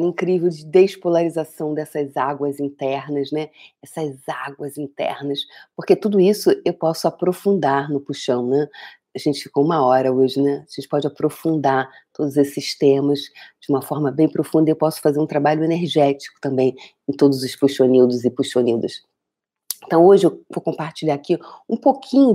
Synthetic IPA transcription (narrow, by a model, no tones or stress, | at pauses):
ĩkɾivewd͡ʒɪd̪espolaɾizasɐ̃w̃d̪ɛsɐzaɡwɐzĩnt̪ɛɾnɐznɛɛsɐzaɡwɐzĩt̪ɛ̰ɾnɐspoχket̪ud̪ʊisʊewpɔsʊapɾofũnd̪aɾnʊpuʃɐ̃w̃nɛ | aʒẽnt͡ʃɪ̥fikoũmɐɔɾɐoʒɪnɛɐaʒẽnt͡ʃɪ̥pɔd͡ʒɪapɾofũnd̪aɾ | t̪od̪ʊzesɪst̪ẽmɐzd͡ʒɪũmɐfɔɾmɐbẽj̃pɾofũnd̪ɐewpɔsʊ̥fazeɾũt̪ɾabaʎʊeneɾʒɛt͡ʃi̥kʊ̥t̪ɐ̃mbẽj̃ẽt̪od̪ʊzʊspuʃonid̪ʊzɪpuʃonid̪ʊs | ẽt̪ɐ̃w̃oʒɪewvokõpaɾt͡ʃiʎaɾakiũpokʰĩɲʊ